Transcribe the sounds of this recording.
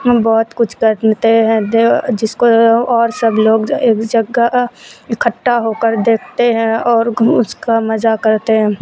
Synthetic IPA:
bɔːt̪kʊt͡ʃʰkəɾt̪eɦɛ̃d̪d͡ʒɪskoɔːɾsəbloːɡeːkd͡ʒɐɡaɪkʰəʈːaɦoːkəɾd̪eːkʰt̪eɦɛ̃ɔːɾʊskamɐzakɐɾt̪eɦɛ̃ː

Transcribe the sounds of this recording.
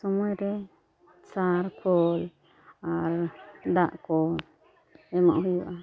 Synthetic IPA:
sɔmɔjɾɛ | saɾkʰɔl | aɾd̪aʔkɔ | ɛma̰ʔɦujuʔa

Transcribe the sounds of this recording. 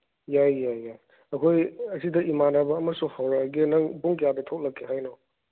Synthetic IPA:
jajːajːaj | ɐkʰojɐsidɐʔimanabɐːmɐsuhawɾaɡinɐŋbuŋkjabɐtʰok̚lɐkʰːiɦajnɔ

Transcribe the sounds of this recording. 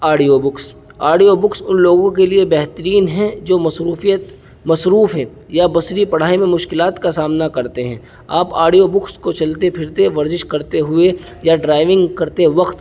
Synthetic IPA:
aːɖijoːbʊks | aːɖioːbʊksʊnloːɡõkeliebɛɦt̪əɾiːnɦɛ̃d͡ʒoːmɐsɾuːfijət̪ | mɐsɾuːfɦɛ̃ː | jabɐsɾipɐɽ̤aːimẽmʊʃkɪlaːt̪kasaːmnakɐɾt̪eɦɛ̃ː | aːpaːɖijobʊkskot͡ʃɐlt̪epʰɪɾt̪eʋɐɾzɪʃkɐɾt̪eɦʊe | jaɖɾaːɪʋɪ̃ŋɡkɐɾt̪eʋɐqt̪

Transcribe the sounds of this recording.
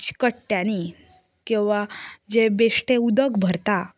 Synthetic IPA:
t͡ɕkəʈ̚t̪jani | kĩw̃ʋad͡ʑebeʂʈeud̪əɡbʱəɾt̪a

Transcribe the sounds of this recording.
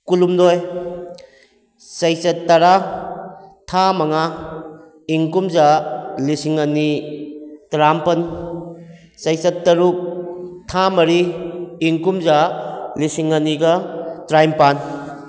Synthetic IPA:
kulumdɔj | sɐjsɐtːɐɾa | tʰamɐŋa | iŋkumzalisiŋɐni | tɾampɐn | sɐjsɐtːɐɾuk̚tʰamɐɾiː | ŋkumzalisiŋɐniɡɐtɾajmpan

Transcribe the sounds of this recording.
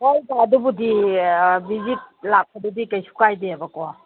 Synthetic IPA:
ojbaːdubudi | bizit̚lap̚pʰadudikajsʰu̥kajdeabakɔ

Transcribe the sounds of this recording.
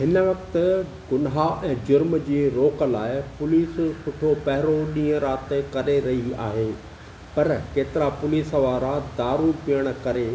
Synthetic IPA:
ɦɪn̆ʋɐkt̪ʊ̆ | ɡʊnɦaʔɛ̃ːd͡ʑʊɾmd͡ʑiːɾoːkə̆laːɪpʊliːssʊʈʰopɐɦɾoɗĩːə̃ɾaːt̪ekɐɾeɾɐɦia̰ːɦeː | pɐɾkeːt̪ɪɾapʊliːsʋaːɾad̪aːɾũpijəɽ̃̆kɐɾeː

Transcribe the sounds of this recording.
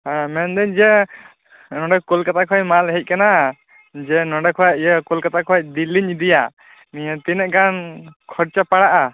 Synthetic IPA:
ɦãmɛnd̪ɛɲd͡ʒɛ | nɔɖɛkulkat̪akʰɔjmalɦɛc̚kana | d͡ʒɛnɔɖɛkʰɔwac̚d͡ʒɛkulkat̪akʰɔac̚d̪iliɲd̪ija | nijat̪inɛʔɡankʰɔɽt͡ʃapaɽaʔa

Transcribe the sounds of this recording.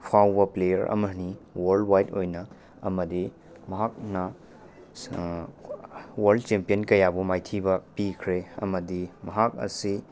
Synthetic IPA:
pʰawbɐplejɐɾʔɐ̰mɐniwɐɾldwajtojnɐ | ɐmɐdi | mɐɦak̚nɐ | wɐɾldt͡ʃempijenkɐjabumajtʰibɐpikʰɾeɐ̰mɐdimɐɦak̚ɐ̰si

